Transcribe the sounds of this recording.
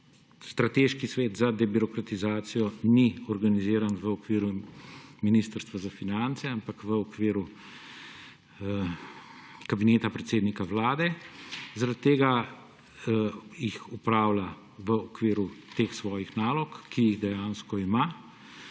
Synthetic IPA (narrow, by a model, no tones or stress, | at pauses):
st̪ɾat̪eːʃkisʋeːd̪zad̪ɛbiɾɔkɾat̪izaːt̪sijɔniɔɾɡaniziːɾanʋəɔkʋiːɾuminiːst̪əɾst̪ʋazafinant̪sɛampakʋəɔkʋiːɾu | kabineːt̪apɾɛt̪seːd̪nikaʋlaːd̪ɛzaɾat̪̚ːeːɡa | jixupɾaːwla | ʋəɔkʋiːɾut̪eːxsʋɔːjixnaːlɔkkːijiɣd̪ɛjaːnskɔima